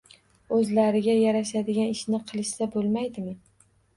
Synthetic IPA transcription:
ɵzlaɾɪɡʲajaɾaʃad̪ɪɡʲanɪʃnɪqʰɨlˠɪʃsabolˠmajd̪ɪmɪn

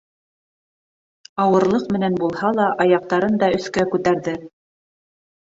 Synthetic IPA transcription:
ɑwɤ̆ɾlˠɤqmɘ̆nænbulˠhɑlˠɑʔɑjɑq̚t̪ɑɾɤnd̪ɑɵ̆θkækʉt̪æɾðɘ

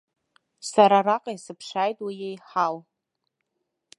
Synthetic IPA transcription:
saɾaraqʼajsɨpʰʂaːjtʼwijejħal

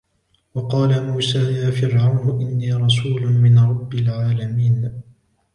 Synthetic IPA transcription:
wɑqɑːlamuːsaːjaːfɪɾʕawnʊʔɪnːiːɾˤɑsuːlʊnmɪnɾˤɑbːɪlʕaːlamiːn

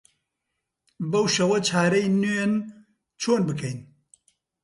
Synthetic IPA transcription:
bɐwʃɐwɐt͡ʃʰaːɾɐjnun | t͡ʃʰoːnbɨkʰɐjn

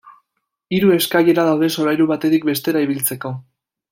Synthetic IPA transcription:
iɾue̞skaje̞ɾaðawðe̞so̞ɾajɾuβat̪e̞t̪ik̚be̞st̪e̞ɾaiβilt͡se̞ko̞

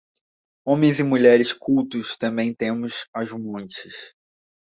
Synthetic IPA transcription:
õmẽj̃zɪmuʎɛɾɪskuwt̪ʊst̪ɐ̃mbẽj̃t̪ẽmʊsaʒumɐ̃t͡ʃɪ̥s

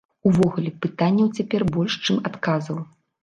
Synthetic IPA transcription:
uvɔɣulʲɛpɨt̪anʲːɐwt͡sʲapʲɛrbɔlʲʂt͡ʂɨmat̪kazɐw

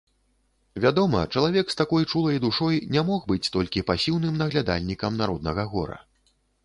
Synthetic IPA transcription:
vʲad̪ɔmɐ̰t͡ʂɐlˠavʲɛkst̪akɔjt͡ʂulˠɐjd̪uʂɔjnʲamɔxbɨt͡sʲt̪ɔlʲkʲipasʲiwnɨmnɐɣlʲad̪a̰lʲnʲikɐmnaɾɔd̪nɐɣɐɣɔ̰ɾɐ̰

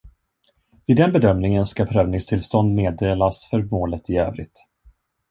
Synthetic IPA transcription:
vɪd̪ɛnbɛd̪œmnɪŋənskapʰɾøːvnɪŋst̪ʰɪlst̪ɔnd̪meːd̪eːlasfœɾmoːlət̪ɪøːvɾɪ̰t̪

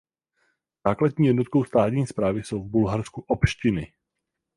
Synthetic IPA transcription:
zaːkladɲiːjɛdnot̪̚kowst̪aːt̪ɲiːspɾaːvɪso̞wvbulɦaɾskuʔopʃcɪnɪ

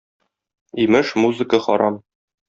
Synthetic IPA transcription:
imɘʃmuzɨkəχɒ̰ɾʔɑm

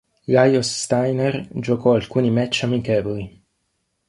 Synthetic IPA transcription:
ɡajost̪ajnerd͡ʒokɔalkuːnimɛt͡ʃːamikɛːvoli

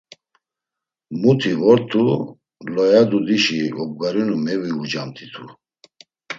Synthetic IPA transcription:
mut̪ʰivɔɾt̪ʰu | lɔjad̪ud̪iʃiɔb̚ɡaɾinumɛviud͡ʒamt̪ʰit̪ʰu

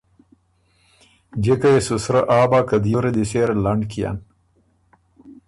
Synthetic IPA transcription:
d͡ʒekɐjesusɾɐʔaːbaːkɐd̪juɾed̪iseɾlaɳɖkija̰n

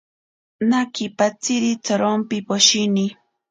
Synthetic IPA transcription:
nakɪpat͡sɪɾit͡saɾompɪpoʃinɪ

